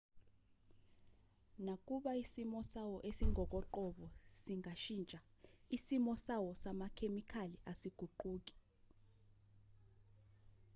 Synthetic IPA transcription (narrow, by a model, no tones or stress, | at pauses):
nak̬ʼuɓaisimɔsawɔʔesiŋʱɔk̬ʼɔǃɔɓɔsiŋaʃint͡ʃʼaisimɔsawɔsamakʰemikʰaliasiɡ̥ʱuǃuːk̬i̥